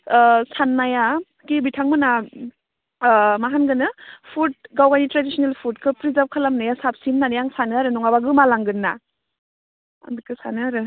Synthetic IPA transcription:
sanːaja | kibitʰaŋmɯna | maɦanɡɯnɯpʰut̚ɡawɡanitɾadisɔnelpʰutkʰɯpɾizap̚kʰalamnajasap̚simnanjaŋsanɯaɾɯnɔŋabaɡɯmalaŋɡɯnːa | a̰nɯkʰɯsanɯaɾɯ

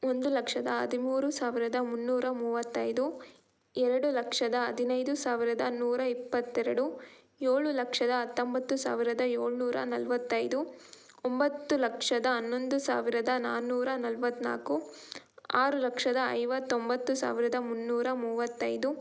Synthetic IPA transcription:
o̞nd̪ulɐkʂɐd̪ɐɐ̰d̪imuːɾusaːʋiɾɐd̪ɐmunːuːɾɐmuːʋɐt̪ːɐjd̪u | ɛɾɐɽulɐkʂɐd̪ɐɐd̪ʱinɐjd̪usaːʋiɾɐd̪ɐnuːɾɐipːɐt̪ːɛɾɐɽu | jeːɭulɐkʂɐd̪ɐɐt̪ːombɐt̪ːusa̰ːʋiɾɐd̪ɐeːɭnuːɾɐ̰nɐlʋɐt̪ːɐjd̪u | ombɐt̪ːulɐkʂɐd̪ɐːnːo̞nd̪usa̰ːʋiɾɐd̪ɐnaːnuːɾɐnɐlʋɐt̪ːna̰ːku | aːɾulɐkʂɐd̪ɐɐ̰jʋɐt̪ːombɐt̪ːusa̰ːʋiɾɐd̪ɐmunːuːɾɐmuːʋɐt̪ːɐjd̪u

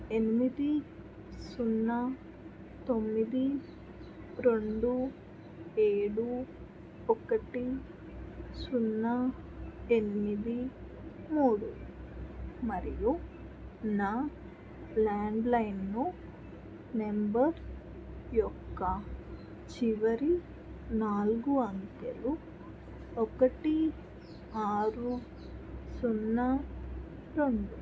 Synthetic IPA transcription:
enimid̪i | sunːɐ | t̪omːid̪i | ɾoɳɖu | eːɽu | okːɐʈi | sunːɐ | enimid̪i | muːɽṵ | mɐɾiju | naː | laːɳɖlɐjnːu | ne̞mbɐɾ | jɔkːɐ | t͡ʃiʋɐɾi | naːlɡuɐŋkḛlu | ɔkɐʈi | aːɾu | sunːɐ | ʈo̞ɳɖu

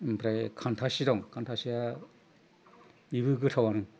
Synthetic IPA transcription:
mpʰɾajkʰantʰasidɔŋkʰantʰasija | ibɯɡɯtʰawanɯŋ

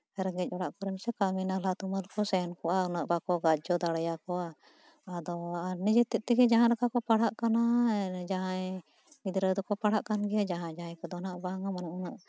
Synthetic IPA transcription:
ɾɛɡɛc̚ˀɔɽaʔkɔɾɛmsɛkaminalat̪umalkɔsɛnkɔʔaunəʔbakɔɡad͡ʒɔd̪aɽajakɔʔa | ad̪ɔanɛd͡ʒɛt̪ɛʔ̚t̪ɛɡɛd͡ʒaɦaʔɾəkakɔpaɽaʔkanad͡ʒaɦãj | id̪ɾəd̪ɔkɔpaɽ̤aʔkanɡɛjad͡ʒaɦãd͡ʒajkɔd̪ɔnaʔbaŋamanaŋunəʔ

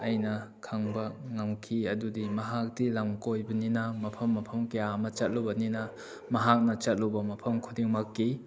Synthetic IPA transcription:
ɐjnɐkʰaŋbɐŋamkʰiɐdudimɐɦak̚dilamkojbɐninɐmɐpʰɐmːɐpʰɐmkejamɐt͡ʃɐt̚lobɐninɐ | mɐɦak̚nɐt͡ʃɐt̚lowbɐmɐpʰɐmkʰudiŋmakːi

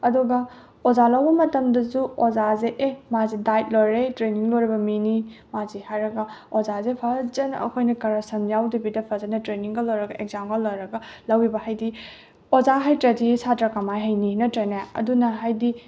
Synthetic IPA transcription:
ɐduɡɐ | ozalɐwbɐmɐtɐmdɐzuozazeʔemazidajt̚lojɾetɾeniŋlojɾɐbɐminimazihajɾɐɡɐozazepʰɐzɐnɐ̰kʰojnɐkɐɾɐsɐmjawdibidɐpʰɐzɐnɐtɾeniŋɡɐlːojɾɐɡɐʔeɡ̚zamkɐlːojɾɐɡɐlɐwibɐhajdi | ozaɦajtɾɐdisatɾɐkɐmajɦajninɐtɾenaɐ̰dunɐɦajdi

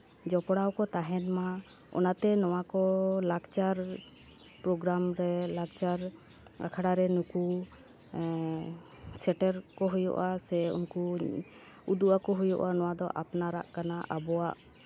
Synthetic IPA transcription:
d͡ʒɔpɽawkɔt̪aɦɛnma | ɔ̰nat̪ɛnɔwakɔlaɡt͡ʃaɾ | pɾɔɡɾamɾɛlaɡt͡ʃaɾ | ɡakʰaɽaɾɛnuku | sɛʈɛɾkɔɦujɔ̰ʔasɛṵnku | ud̪uʔakɔɦujɔʔanɔwad̪ɔʔapnaɾa̰ʔkanaʔabɔwaʔ

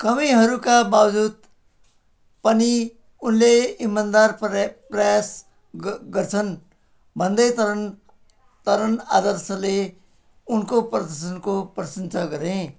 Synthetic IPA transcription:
kʌmiɦʌɾukababd͡zud̪ | pʌni | unleimːand̪arprʌjas | ɡʌrt͡sʰʌn | bʱʌnd̪ʌjt̪ɾn | t̪ʌɾʌnad̪ʌɾsʌle | unkoprʌd̪ʌsʌnkoprʌsʌnt͡sʰaɡʌɾẽ

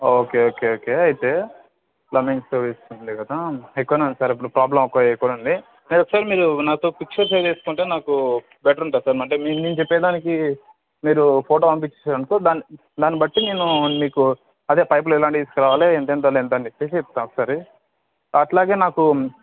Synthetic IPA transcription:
oːkeːoːkeːoːkeːɐjt̪e̞ː | lɐminsɐɾʋiːstuɳʈund̪ikɐd̪aekːuʋɐneɐnsaːɾip̬ːuɽupɾaːblɐmokːɐjekːuʋɐnɐɳɖi | neɾokːɐ̥saːɾimiːɾunaːt̪o̞ːpik̚t͡ʃɐɾsejɾeːsu̥kuɳʈe̞ːnaːku | bɛːʈɐɾuɳʈaːɾusaːɾmɐɳʈ̬eːmiːniːnt͡ʃepːɛːd̪aːniki | miːɾupʰoːʈoːɐmp̬it͡ʃːesaːɾɐɳkoːd̪aːni | d̪aːnibɐʈːine̞ːnumiːku | ɐd̪eːpɐjp̬lɐɛlaːɳʈd̪iːsu̥kɾaːʋaːleːent̪eːnt̪̬aːlent̪̬ɐɳɖipesp̚ːt̪anɔkːɐ̥saːɾi | ɐʈlaːɡe̞ːnaːku

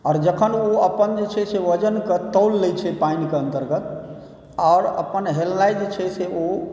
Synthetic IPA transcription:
aːɾd͡ʒəkʰənoəpənd͡ʒet͡ʃʰɛseʋəd͡ʒənkət̪əʊlːɛt͡ʃʰɛpainkeənt̪əɾɡət̪ | aɾə̰pənɦelnajd͡ʒet͡ʃʰɛseo

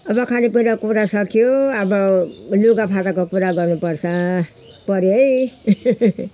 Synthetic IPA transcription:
ʌbʌkʰanipuiɾʌkuɾasʌkʰjoʌbʌloɡapʰatakokuɾaɡʌrnupʌrt͡sʰʌ | pʌɾjoj

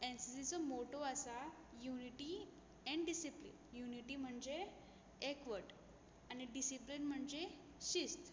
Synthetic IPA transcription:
ensisit͡sɔmoʈoasa | juniʈi | ɛ̃ɳɖɖisiplḭnjuniʈim̤əɳd͡ze | ekʋəʈ | añiɖisiplinm̤əɳd͡ze | ɕist̪

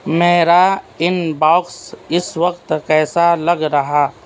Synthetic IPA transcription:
meːɾa | ɪnbaːksɪsʋəkt̪kɛːsalɐɡɾɐɦaː

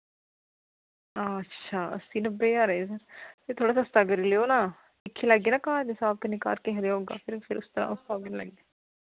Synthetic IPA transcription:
aːətːʃʰaːə̰siːnəbːeːaːɾeːs̬əɾt̪eːt̪ʰoːɽaːsəst̪aːɡəɾiːleːoːnaː | ɪkʰːelaɡːeːnãːkaːɾnɪsaːb̚t̪enɪka̰ːɾkeːɦɾeaːɦoːɡa̰ːpʰɪɾpʰɪɾʔʊst̪əɾã̰ːʊsaːbkɪnlə̰ɡeː

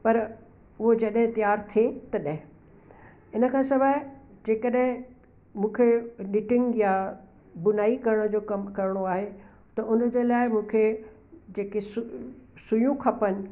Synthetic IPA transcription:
pɐɾ | ʊɦod͡ʑɐɗɦɪ̃t̪ijaːɾt̪ʰiet̪ɐɗɦɪ̃ | ɪnə̆kʰãːsɐbaːɪd͡ʑeːkəɗɦɪ̃ | mũːkʰenɪʈɪ̃ŋɡja | bʊnaːikɐɾəɽ̃d͡ʑoːkɐmkɐɾəɽ̃oaːɦe | t̪ɐʔʊnəd͡ʑelaːɪmũːkʰe | d͡ʑeːkesʊsʊjũkʰɐpənɪ̆

